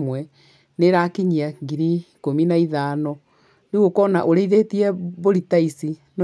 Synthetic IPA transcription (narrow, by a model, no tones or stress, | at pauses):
mwɛ | neɾakiɲiaɡiɾikominaiðaːnɔ | neɣokɔna̰ʔoɾeiðetiɛβoɾitaisin